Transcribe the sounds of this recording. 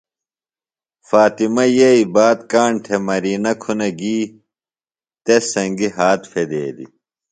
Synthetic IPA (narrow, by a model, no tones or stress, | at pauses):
faːt̪imɐjeibaːt̪kaːɳʈʰemɐɾiːnɐkʰunɐɡiː | t̪esɐŋɡiɦaːt̪fed̪ḛːd̪ḭ